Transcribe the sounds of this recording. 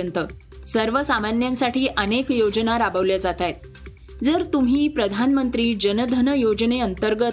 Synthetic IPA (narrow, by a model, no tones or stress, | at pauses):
ənt̪ə | səɾʋəsamanjansaʈʰiːʔənekjod͡znaɾabəʋljad͡zat̪ajt̪ | d͡zəɾt̪um̤iːpɾəd̪ʱanmənt̪ɾiːd͡ʑənəd̪ʱənəjod͡ʑneənt̪əɾɡə